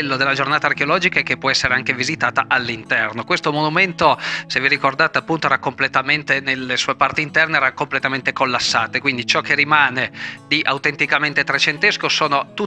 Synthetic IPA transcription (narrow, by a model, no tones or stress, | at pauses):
lːod̪elːad͡ʒornaːt̪aːrkeolɔːd͡ʒikaekepːwɔɛsːeɾeaŋkevizit̪aːt̪aʔalːint̪ɛrnokwest̪omonument̪osevːiɾikord̪aːt̪eapːunt̪oɛɾakomplet̪ament̪enelːesuːepart̪iint̪ɛrneɛɾakomplet̪ament̪ekolːasːa̰ːt̪ekwind̪it͡ʃɔk̟ːerimaːned̪iʔawt̪ent̪ikament̪et̪ɾet͡ʃent̪eskosoːnot̪u